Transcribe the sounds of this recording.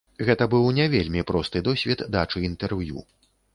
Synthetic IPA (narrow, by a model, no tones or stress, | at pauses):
ɣɛt̪ɐbɨwnʲavʲelʲmʲipɾɔst̪ɨd̪ɔsʲvʲid̪d̪at͡ʂɨint̪ɛrvjṵ